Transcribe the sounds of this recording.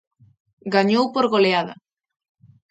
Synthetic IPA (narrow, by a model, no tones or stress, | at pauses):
ɡaɲowpoɾɣoleaðɐ̰